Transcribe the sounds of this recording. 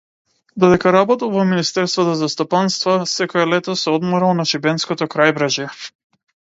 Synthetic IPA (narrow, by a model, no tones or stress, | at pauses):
d̪ɔd̪ɛkaɾabɔt̪ɔlˠvɔminist̪ɛɾst̪vat̪ɔzast̪ɔpanst̪vasɛkɔɛlɛt̪ɔsɛɔd̪mɔɾalˠnaʃibɛnskɔt̪ɔkɾajbɾaʒjɛ